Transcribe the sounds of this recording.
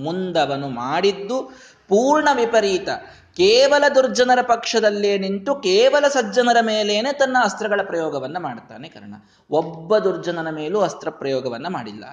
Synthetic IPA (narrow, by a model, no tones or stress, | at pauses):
mund̪ɐʋɐnumaːɽid̪ːu | puːɾɳɐʋipɐɾiːt̪ɐ | keːʋɐlɐd̪uɾd͡ʒɐnɐɾɐpɐkʂɐd̪ɐlːeːniɳʈukeːʋɐlɐsɐd͡ʒɐnɐɾɐmeːle̞ːneːt̪ɐnːɐɐst̪ɾɐɡɐɭɐpɾɐjɔːɡɐʋɐnːɐmaːɽt̪a̰ːnekɐ̰ɾɐɳɐ̰ | ɔbːɐd̪uɾd͡ʒɐnɐnɐme̞ːluɐst̪ɾɐpɾɐjɔːɡɐʋɐnːɐmaːɽilːɐ̰